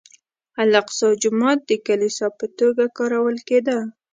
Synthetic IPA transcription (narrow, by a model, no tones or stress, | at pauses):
alaqsɑd͡ʒʊmɑt̪̚d̪əkalisɑpət̪oɡakɑɾawəlked̪a